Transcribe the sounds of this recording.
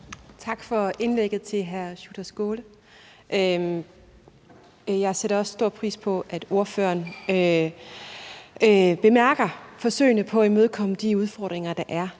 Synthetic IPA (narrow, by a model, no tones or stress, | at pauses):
t͡sʰɑ̈ɡ̥fɒ̽e̝nleɡ̥ð̞̩ˠt͡sʰe̝lɦæɐɕud̥ɐsɡ̥o̝ːlə | ʔø | jɑ̈ɪseɾɐɒ̽ssd̥o̝ɐ̰pʰʁḭːspʰɒ̽ʔæd̥o̝ɐfø̰ɐnø | b̥e̝mæɐɡ̥ɐfɒ̽sø̰ɪ̰nəpʰɒ̽æmøð̞ˠkʰɒ̽m̰əd̥iuð̞ˠfɒd̥ʁeŋɐd̥ɑ̈ʔæɐ